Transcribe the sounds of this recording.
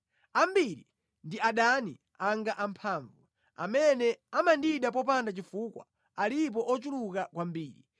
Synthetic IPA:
ambiɾḭ | ndiaɗani | aŋɡaʔampʰaːɱvu | a̰mɛnɛamandiɗap̬ɔp̬andat͡ʃifukwa̰ | alip̬ɔʔɔt͡ʃulukakwambiːɾḭ

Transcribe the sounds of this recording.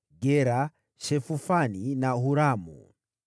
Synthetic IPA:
ɡɛɾa | ʃɛfufaninaɦuɾamṵ

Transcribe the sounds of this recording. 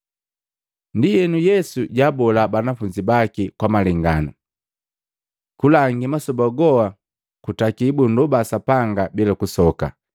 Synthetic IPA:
ndijɛnujɛsuɟabɔlabanafuɲd͡ʒibakikwamaliŋɡanu | kulaŋɡimasɔbaɡɔa | kutakibundubasapaŋɡabilakusɔka̰

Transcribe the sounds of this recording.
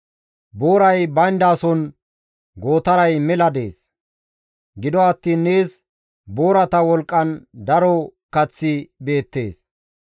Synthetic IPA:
bo̞ːɾɐjbɐjnd̪aːsɔn | ɡo̞ːt̪ɐɾɐjmɛlɐd̪e̞ːs | ɡɪd̪ɔɐt̪ːiːnːeːs | bo̞ːɾɐt̪ɐwɔlkʼːɐnd̪ɐɾɔkɐt͡sːɪbe̞ːt̪ːe̞ːs

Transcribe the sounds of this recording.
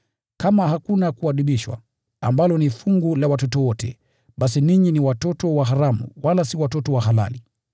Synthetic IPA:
kamaɦakunakuaɗiɓiʃwa̰ | ambalɔnifuŋɡulawatɔtɔwɔtɛ̰ | ɓasiniɲiniwatɔtɔwaɦaɾamṵwalasiwatɔtɔwaɦala̰li

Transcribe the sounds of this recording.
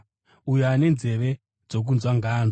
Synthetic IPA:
ujoane̞nze̞ʋe̞ | d͡zo̞k̬unzwaŋɡʱaːno

